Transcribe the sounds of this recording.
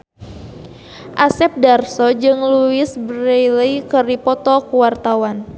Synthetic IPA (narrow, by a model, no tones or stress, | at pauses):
ʔasɛp̚darsɔd͡ʒɨŋluɪsbɾəjləjkəripɔt̪ɔkuwart̪awan